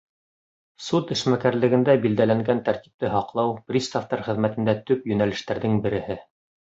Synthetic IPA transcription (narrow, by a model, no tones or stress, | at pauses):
sut̪ɘ̆ʃmækæɾlɘ̆ɡɘ̆nd̪æbild̪ælæŋɡænt̪æɾt̪i̥p̚t̪ɘɦɑqlˠɑwprʲist̪ɑft̪ɑɾχɘ̆ðmæt̪ɘ̆nd̪æt̪ɵpjɵ̆nælɘ̆ʃt̪æɾðɘŋbɘ̆ɾɘ̆hɘ